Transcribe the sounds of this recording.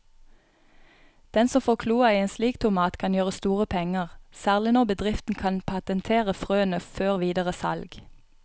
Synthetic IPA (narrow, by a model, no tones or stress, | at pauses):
d̪̥ɛnsɔmfoːkʰluːɑiːeːnsliːkt̪ʰʊmɑːt̪kʰɑnjøːʁəst̪uːʁəpʰɛŋəʁsæːʁlɪnɔːbəd̪ʁɪft̪n̩kʰɑnpʰɑt̪ənt̪ʰeːʁəfʁøːənəføːʁʋiːd̪əʁəsɑ̰lɡ